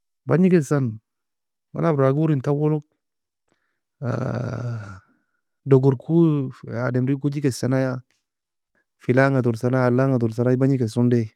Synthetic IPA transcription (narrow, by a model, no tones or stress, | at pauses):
baɲikesan | ma̰labɾaɡuɾintawoluk̚ | a̰ | doɡuɾkʰuademɾikud͡ʒikesanaja | filaŋatuɾsanajalːaŋaduɾs̬anabaɲikesunde